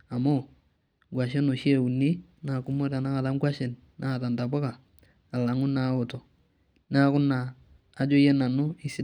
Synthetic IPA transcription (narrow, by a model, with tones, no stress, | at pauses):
a˨mo˦ | ɡʷwa˨ʃ̬e˦no˨ʃe˦˨u˨ni˦na˨ku˨˦mo˦ta˨na˦ka˨ta˦mɡwa˦ʃe˨n | nʔa˦a˨ta˨nta˨ba˦kaː˨ | la˨ŋʊ˦na˨˦o˨to˨ | n˦a˦kʊ˦naː˨ | d͡ʒo˦je˦na˨nʊ˦ɪ˦si˦